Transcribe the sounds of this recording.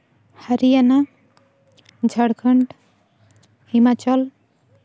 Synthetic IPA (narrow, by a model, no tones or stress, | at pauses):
haɾijana | d͡zʱʌɽkʰʌɳɖ | himat͡ʃɔl